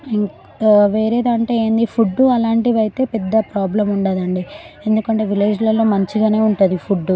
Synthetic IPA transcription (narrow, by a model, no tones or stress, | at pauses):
iŋ | ʋe̞ːɾe̞ːd̪aɐɳʈe̞ːeːnd̪ipʰuɖːuɐlaːɳʈiʋɐjit̪e̞ːpɛd̪ːɐpɾaːblɐmuɳɖaːd̪ɐɳɖi | e̞nd̪ukɐɳʈe̞ːʋileːd͡ʒlɐlo̞ːmɐɲt͡ʃiɡaːne̞ːuɳʈund̪ipʰuɖːu